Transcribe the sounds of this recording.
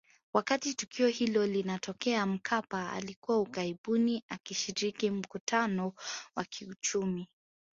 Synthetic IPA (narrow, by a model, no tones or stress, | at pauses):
wakatitukiɔhilɔlinatɔkɛam̩kʰapaa̰likuwaukaiɓuniakiʃiɾikim̩kutʰanɔwakʰiut͡ʃumi